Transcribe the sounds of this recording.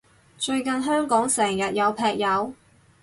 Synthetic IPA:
t͡ʃɵ˧ɥkɐ˨nɦœː˥ŋkɔː˨˥ŋsɛː˨˩ŋjɐ˨t̚jɐ˨˧wpʰɛː˧k̚jɐ˨˧w

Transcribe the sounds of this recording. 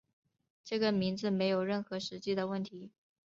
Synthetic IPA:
ʈ͡ʂɤ˥˩ɡə˩mi˧˥ŋd͡zɹ̩˧me˧˥ɪjo˨˩ʊɻə˥˩nxɤ˧˥ʂɻ̩˧˥t͡ɕi˥˩d̪ə˩wə˥˩nt̪ʰi˧˥

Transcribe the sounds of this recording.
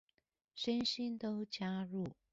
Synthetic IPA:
ʂə˥nɕi˥nt̪o˥ʊt͡ɕja˥ɻu˥˩

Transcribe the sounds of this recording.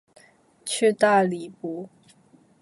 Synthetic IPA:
t͡ɕʰy˥˧t̪a˥˩li˨˩pu˧˥˦

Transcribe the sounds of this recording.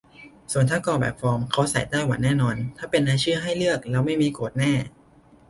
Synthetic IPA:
su˨˩ənt̪ʰaː˥˩kɔː˧bɛ̰ː˨˩p̚fɔː˧mkʰa˦˥wsa̰˨˩˦jt̪ɛː˥˩jwa̰˨˩˦nɛː˥˩nɔː˧nt̪ʰaː˥˩pe˧nːaː˧t͡ɕʰɯː˥˩ɦa˥˩jlɯ˥˩ək̚lɛː˦˥wma˥˩jmiː˧koː˨˩t̪̚nɛː˥˩

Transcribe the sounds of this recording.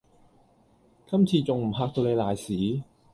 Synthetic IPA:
kɐ˥mt͡sʰiː˧t͡sʊ˨ŋm̩˨˩ɦaː˧k̚t̪o˧wne˨˧jlaː˨jsiː˨˥

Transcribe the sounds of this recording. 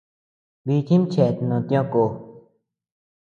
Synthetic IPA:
biː˨k̪ʰi˦mt͡ɕʰɛː˨t̪nõ˨t̪jɔ̃˦koː˨

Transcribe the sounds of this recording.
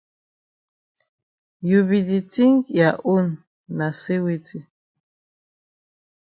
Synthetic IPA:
ju˨βi˨di˨ti˦ŋja˨ʔu˦nː | a˨se˦we˦tʰi˦

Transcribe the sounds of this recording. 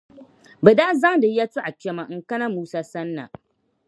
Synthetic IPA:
bɐ˨da˦za˦da˨˦ja˦tu˦ʔa˨kʲe˦ma˨ŋkɐ˦na˦muː˦saː˦sɐ˦nːa̰˨

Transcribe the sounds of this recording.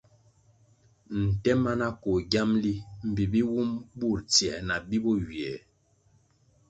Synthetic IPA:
n̩˨tɛ˦ma˦na˦ko˨ɡja˦mli˦m̩˨bi˨bi˦wu˦mbu˦˨ɾt͡sjɛ˨na˨bi˦bɔ˦wi˨ɛ˨

